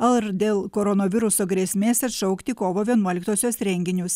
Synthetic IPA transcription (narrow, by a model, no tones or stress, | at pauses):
ɐlˠɾd̪ʲeːlˠkoːɾɔnoːʋʲɪɾʊsoːɡɾʲeːsʲmʲeːsɐt̪ʃɔʊkt̪ʲɪkoːʋoːʋʲiɛnuɔlʲɪkt̪oːsʲoːsɾʲɛŋʲɡʲɪnʲʊs